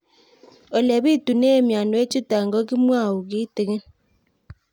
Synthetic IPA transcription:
o˨lɛ˨βi˦tu˨ne˦˨mja˨no˨˦e˦t͡ʃu˦ta˨ŋɡɔ˦ki˦mwa˦˨u˨ki˦te˨ɣe˦

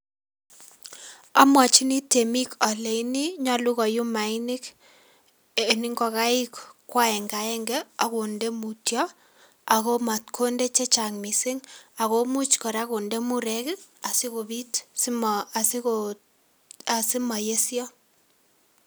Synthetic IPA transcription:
a˦mwa˨t͡ʃi˦ni˦te˨mi˦kɔ˨le˨i˦ni˦ɲɔ˦lu˦ɣɔ˨ju˦ma˨ɪ˦nɪ˦k | e˨nɪ˦ŋɡɔ˨ka˦ɪ˦kkːwa˦ɛ˨ŋɡa˨ɛ˦ŋɡɛ˦a˨ko˨nde˦mu˨tjɔ˦ | a˨ɣo˦ma˨t̚kʰo˦nde˦t͡ʃe˦t͡ʃa˨ŋmi˨sɪ˦ŋa˨ɣo˦mu˦t͡ʃkɔ˨ɾa˦ko˨nde˦mu˦ɾɛ˦kɪ˦a˨sɪ˦ko˨bi˦tsma˨si˦ko | a˨sɪ˦ma˨je˦sjɔ˦

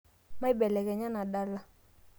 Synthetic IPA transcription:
ma˦i˦ɓɛ˨lɛ˨kɛ˨ɲa˦na˨ɗa˦la˦

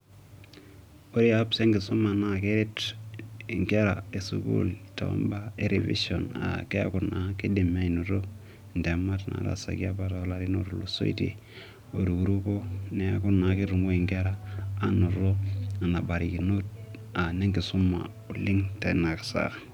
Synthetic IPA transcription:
o˦ɾi˦a˦pse˦ŋɡi˨su˦ma˨na˦ke˦ɾi˦t | i˨ŋke˦ɾa˨e˨sṵ˨ɡṵ˦lta̰˨o̰˦mba˦e˦ɾe˨vḭ˦so˨na̰˨ke˦a̰˦ku˨na˨ke˦di˨mːe˦i˨nu˨ɾo˦ | n˨de˨ma˦tna̰˨ɾa̰˨sa̰˨ɡi˦a˦ba˦ta˨o˦la˨ɾi˦no˦ɾlo˨so̰˦ḭ˦tḭ˨ | o˨ɾu˨ku˨ɾu˦ko˦ne˨a˦ku˦na˨ki˦ɾu˨ŋɡo˦i˨ŋke˦ɾa˦a˦nu˨ɾo˦a˨na˨ba˨ɾi˨ki˨no˦t̚a˨ne˦ŋɡi˨su˦mːa̰˨ | u˨li˦ŋte˨na˨kḁ˨sa̰˦

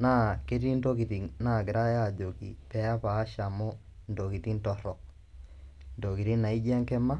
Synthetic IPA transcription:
na˦˨ke˦ɾi˦ndo˦ki˨ɾi˨na˨ke˨ɾa˦ja˨d͡ʒo˨kḭ˨pɛ˦a˦paː˨˦ʃa˨mo˦ndo˨ki˨ti˦ntɔ˨ɾɔ˨ | ndo˨ki˨ɾi˦na˨i˦d͡ʒa˦ŋkɛ˦ma˦

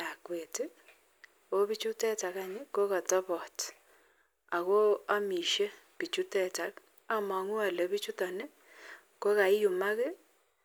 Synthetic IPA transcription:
a˨kwe˨tɪ˦ | o˦bi˦t͡ʃu˦tɛ˦ta˨ka˨ɲɪ˦ko˦ka˨tɔ˦pɔ˨t | a˨ko˦a˦mi˨ʃe˦pi˨t͡ʃu˦tɛ˦˨ta˨˦k | a˦mɔ˨ŋu˦a˨le˨bi˦t͡ʃu˦tɔ˨nɪ˦ | ko˦ka˨ɪ˦ju˨ma˦ke˦

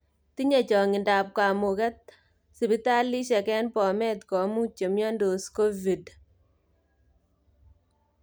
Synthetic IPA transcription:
ti˦ɲe˨t͡ʃɔ˨ŋɪ˨nda˨p̚ka˨mu˨kɛ˦t̚ | si˨bi˦ta˦lːi˦ʃɛ˨kɛ˦npɔ˨mɛ˦tkɔ˨˦mu˦t͡ʃe˨mjɔ˦ndo˨sko˦vi˨d

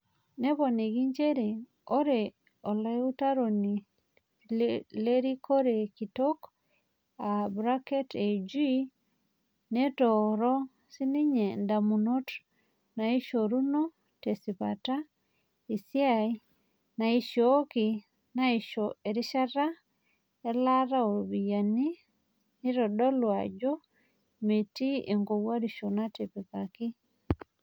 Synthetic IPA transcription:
ne˦βɔ˨ni˨ɡi˦ɲd͡ʒe˦ɾe˨ | o˦ɾe˨ | o˨le˦u˦ta˦ɾo˨ni˨ | le˦ɾi˦kʰo˦ɾe˨ki˨to˦k | a˨bɾa˦ke˦te˨d͡ʒi | ne˦tɔɾɔ˦ | si˦ni˦ɲe˨nda˨mu˨no˦t | na˨i˦ʃo˨ɾu˦no˦ | te˨si˨pa̰ta˦ | i˨sja˦i | na˨i˦ʃo˦ki˨ | na˦i˨ʃoe˨ɾi˦ʃa˦ɾa˦ | e˦la˦ɾa˦o˨βi˨jani˦ | ni˦ɾɔ˨dɔ˦lwa̰˨d͡ʒo˦ | me˨ti˦e˨ŋɡo˨wa˦ɾi˨ʃo˨na˦te˨pe˨pa˨ki˦

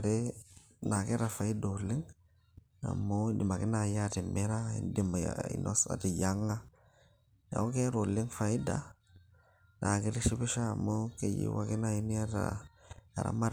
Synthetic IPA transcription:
ɾe˦ | na˨ke˦ɾa˨fa˨i˦do˨li˦ŋ | a̰˨mːo˦di˨ma˨ki˦na˨ja˦ti˨me˦ɾa˦i˨ndi˨ma˨jaḭ˨nʔo̰˦sa̰˨ti˨ja˦ŋːa˦ | ja̰˨ko˦ke˦ɾo˨li˦ŋfa˨i˦da̰˨ | na˨ki˦ɾi˦ʃi˦bi˦ʃaː˦˨mːo˦ke˦jḭ˦wa̰˦ki˦na˦ji˦n˦a˦ɾa̰˨a̰˨ɾa̰˦ma˦ɾ

